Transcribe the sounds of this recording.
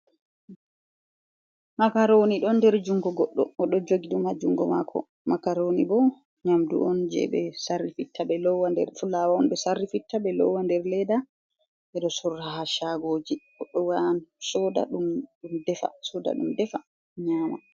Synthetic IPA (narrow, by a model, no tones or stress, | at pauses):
makaɾoniɗɔndɛɾd͡ʒuŋɡɔɡɔɗːɔɔɗɔd͡ʒoɡiɗumad͡ʒuŋɡɔma̰kʰɔ̰ | makaɾonibɔ | ɲamdṵʔɔnd͡ʒɛ̰ɓɛ̰sarːifitʰːabɛlɔwːandɛ̰ɾfulawaɔnbɛsarːifitːaɓɛlɔ̰wːandɛɾlɛda | ʔɛɗɔsuɾːaɦaʃaɡoːd͡ʒiɡ̥ɔɗːɔwansɔda̰ɗumɗumdɛfa̰sɔda̰ɗṵmdɛfa | ɲaːma̰